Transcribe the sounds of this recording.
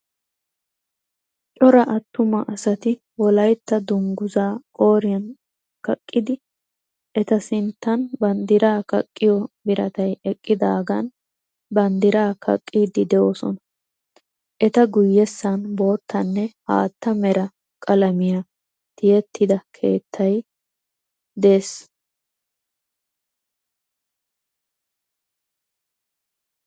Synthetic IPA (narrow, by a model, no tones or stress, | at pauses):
t͡ʃʼɔɾɐʔɐt̪ːʊmɐʔɐsɐt̪ɪ | wɔlɐjt̪ːɐd̪ʊŋɡʊzaːkʼo̞ːɾɪjɐn | kɐkʼːɪd̪ɪ | ʔɛt̪ɐsɪnt̪ːɐnbɐnd̪ɪɾaːkɐ̰kʼːɪjɔbɪɾɐt̪ɐjɛkʼːɪd̪aːɡɐn | bɐnd̪ɪɾaːkʰɐ̰kʼːiːd̪ɪd̪ɛʔosɔ̰nɐ | ʔɛt̪ɐɡʊjːɛsːɐnbo̞ːt̪ʰːɐnːɛha̰ːt̪ːɐmɛɾɐ | kʼɐlɐmɪjɐ | t̪ɪjɛt̪ʰːɪd̪ɐkʰe̞̰ːt̪ʰːɐj | d̪e̞ːs